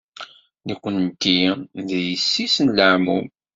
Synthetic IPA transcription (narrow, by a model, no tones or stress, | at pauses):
nikʷːənːt̪ːiðjəsːisnləʕmum